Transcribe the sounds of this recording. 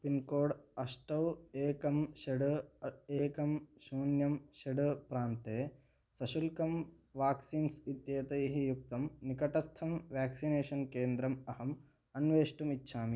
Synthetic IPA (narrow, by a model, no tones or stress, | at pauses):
pinkoːɽɐʂʈɐweːkɐmʃɐɽeːkɐmʃuːnjɐmʃɐɖɨpɾaːnt̪eː | sɐʃulkɐm | ʋaːksiːnsit̪jeːt̪ɐjɦijuk̚t̪ɐmnikɐʈɐst̪ʰɐmʋjaːksineːʃɐnkeːnd̪ɾɐmɐhɐm | ɐnʋeːʂʈumitːʃʰaːmi